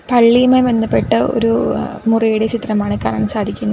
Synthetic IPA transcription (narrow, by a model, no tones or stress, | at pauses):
pɐɭːijmebend̪ːɐpːe̞ʈːɨo̞̰ɾumurijuɽet͡ɕit̪rɐmaːɳɨka̰ːɾɐɳɐmsaːd̪ʱikʲːunːɐ